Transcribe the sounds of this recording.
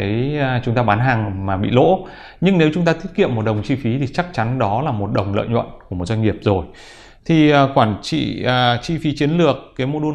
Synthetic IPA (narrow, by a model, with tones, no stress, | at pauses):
ə˨˦jt͡ɕʊ˨˦ŋ͡mt̪aː˧ɓaː˨˦nɦaː˨˩ŋmaː˨˩ɓḭ˧˨lo̰˧˥ | ɲɨ˧ŋne˨˦wt͡ɕʊ˨˦ŋ͡mt̪aː˧t̪ʰt̚kḭ˧˨əmːo˨˩t̚ɗə˨˩wŋ͡mt͡ɕi˧fi˨˦t̪ʰi˨˩t͡ɕa˦˥k̚t͡ɕa˨˦nɗɔ˨˦laː˨˩mo˨˩t̚ɗə˨˩wŋ͡mlə̰ː˧˨jɲwə̰˧˨nku˧˩mo˨˩t̚zwa˧ŋŋi˨˩əp̚zo˨˩j | t̪ʰi˨˩ʔːkwaː˧˩nt͡ɕḭː˧˨˩t͡ɕi˧fi˨˦t͡ɕi˨˦ənlɨ˨˩əkːaː˨˦jmo˧ɗə